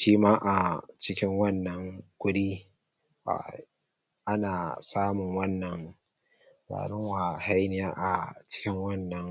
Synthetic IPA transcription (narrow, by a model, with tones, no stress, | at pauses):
ʃiː˦maː˦ʔa˨t͡ʃɪ˦kʲɪ˦ŋwɐ˦nːɐ˨ŋkʷʊ˦ɽiː˦ | a̰˨ | ʔa˦naː˨saː˦mʊ˨ŋwɐ˦nːɐ˨ŋ | ɾa̰ː˨ɽʊ˦wa˨ha˦jnɪ˦jaː˦ʔa˨t͡ʃɪ̥˦kʲɪ˦ŋwɐ˦˨nːɐ˦ŋ